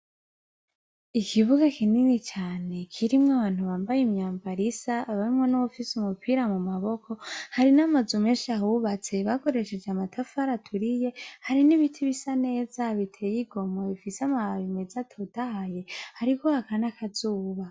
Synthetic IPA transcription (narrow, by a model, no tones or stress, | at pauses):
ikʰiβuɡakʰininit͡ʃaːne̞kʰiɾimŋaβaːn̥huβaːmbajimɲaːmbaɾisaːβaɾimŋenuβufisumupʰiːɾamumaβo̞kʰo̞haɾinamazumeːʃaɦuβat͡se̞βako̞ɾe̞ʃe̞d͡ʒeamatʰafaɾatʰuɾije̞haɾiniβitʰiβisane̞ːzaβitʰe̞jiɡo̞moβifiseamaβaβimezatʰo̞taaje̞haɾikohakanakazuːβa